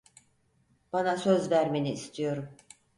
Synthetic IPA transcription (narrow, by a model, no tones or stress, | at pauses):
b̥anasø̞zvæɾmeniːst̪ʰijo̞ɾum